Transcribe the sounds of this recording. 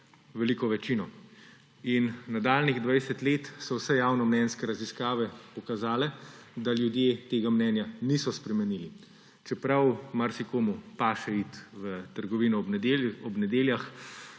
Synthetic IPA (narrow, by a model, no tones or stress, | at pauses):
ʋɛliːkɔʋɛt͡ʃinɔ | innad̪aːlniɣd̪ʋajsɛt̪leːt̪sɔwsɛjaːwnɔmnɛnskɛɾaziskaːʋɛpɔkazaːlɛd̪aljud̪jeːt̪eːɡamnɛːnjanisɔspɾɛmɛniːli | t͡ʃɛpɾawmaɾsikoːmupaːʃɛit̪ʋət̪əɾɡɔʋiːnɔɔbnɛd̪eːljax